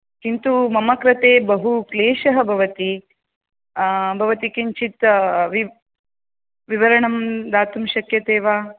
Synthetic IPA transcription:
kint̪umɐmɐkɾɐt̪eːbɐɦukleːʃɐɦɐ̆bʱɐʋɐt̪i | bʱɐʋɐt̪ikiɲt͡ʃit̪ʋi | ʋiʋɐɾɐɳɐmd̪aːt̪umʃɐkjɐt̪eːʋaː

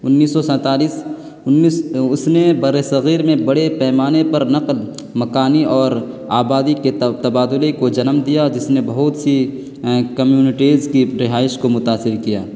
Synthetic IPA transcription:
ʊnːiːsːɔsɛ̃ːt̪aːliːs | ʊsnebɐɾesɐɣiːɾmẽbɐɽepɛːmaːnepɐɾnɐql | mɐkaːniɔːɾ | aːbaːd̪iket̪ɐbaːd̪ʊlekod͡ʒɐnmd̪ijad͡ʒɪsnebɐɦʊt̪si | kɐmjuːnɪʈiːzkiɾɪɦaːɪʃkomʊt̪aːsɪɾkija̰ː

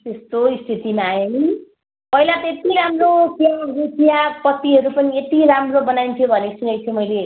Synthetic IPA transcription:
t̪est̪oist̪ʰit̪imaːjoni | pʌɦilat̪et̪iɾamrotjaɡitijapʌt̪ːiɦʌɾupʌniet̪iɾamrobʌnajnt̪ʰijobʱʌnesunʌjt̪ʰjomʌjle

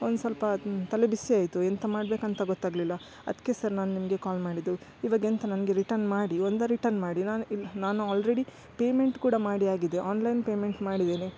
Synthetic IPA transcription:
ond̪usɐlpɐt̪ɐlebisːiaːjt̪uent̪ɐmaːɽbe̞ːkɐnt̪ɐɡɔt̪ːaːɡlilːɐ | ɐ̰d̪ɐ̥kːesɐɾnaːnunimɐɡe̞kaːlmaːɽid̪uiʋaːɡint̪ɐnɐnɐɡe̞ɾiʈɐɾnmaːɽiond̪ɐɾiʈɐɾnmaːɽinaːninaːnuaːlɾeɽi | peːme̞ɳʈkuːɽɐmaːɽiaːɡid̪eʔaːnlɐjnpeːme̞ɳʈmaːɽid̪eːni

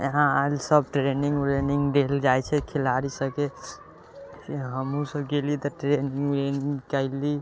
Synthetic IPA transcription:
ḛɦãalsəbʈɾeniŋɡɾeniŋɡd̪eld͡ʒajt͡ʃʰɛkʰelaɾisəke | kiɦəmũsəbɡelit̪ɔʈɾeniŋɡɾeniŋkəɪli

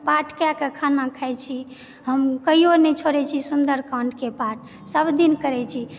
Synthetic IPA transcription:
paʈʰkjakekʰanakʰajt͡ʃʰi | ɦəmkəionɛt͡ʃʰoɾɛt͡ʃʰisund̪əɾkãɳɖkepaʈ | səbd̪inkəɾɛt͡ʃʰi

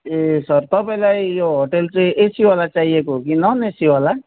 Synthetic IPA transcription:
esʌrt̪ʌpaĩlajjoɦoʈelt͡sʌj̃ʔesiwalat͡saɦiekoɦkinʌnesiwala

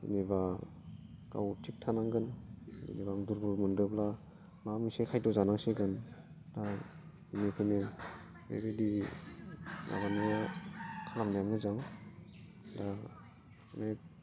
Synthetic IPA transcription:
ineba | ɡ̥a̰wtʰik̚tʰanaŋɡɯnḭnibaŋduɾbuɾmɯndɯbla | mamisakʰajdɔzanaŋseɡɯn | da | inikʰɯne | bḛɾedi | nʔa̰ɡanajakʰalamdajamɯzaŋ | da | na

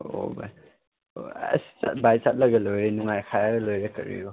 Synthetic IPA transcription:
o̰ba̰j | oɐ̰si̥t͡ʃa̰t̚bajt͡ʃat̚lɐɡɐlojɾenuŋajkʰajaɡɐlojɾɐkɐ̰ɾḭjo

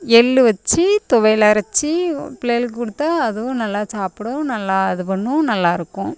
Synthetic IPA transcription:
ɛlːɯʋɐt͡ʃːɯt̪ɔʋɐɪlɐɾɐt͡ʃːipɪlɛːlkɯkʊɽɯt̪ːaɐðɯʋʊ̃nɐlːaːsaːpɪɽʊ̃nɐlːaːɐðɯpɐɳːʊ̃nɐlːaːɪɾɯkːʊ̃

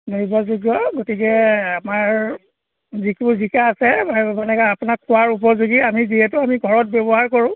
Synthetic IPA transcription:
noibazuɡjɔɡotikɛamaɹ | zikuɹzikaːsɛbabanɛkaapʊnakʰːʊwaɹup̬ɔɹzuɡiamiziɦɛtʊamiɡʱɔɹɔt̚bɛbɔɦaɹkoɹʊ̃

